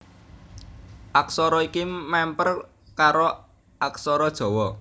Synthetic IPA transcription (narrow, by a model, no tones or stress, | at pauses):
ʔaksɔɾɔikimɛmpər | kaɾo | ʔaksɔɾɔd̥ʒ̥ɔ̤wɔ